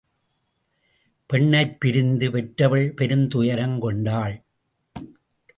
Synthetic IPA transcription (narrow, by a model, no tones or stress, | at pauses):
pɛɳːɐɪpːɪɾɪnd̪ɯpɛʈɾɐʋɐɭpɛɾɯnt̪ʊjɐɾɐŋkɔɳɖaːɭ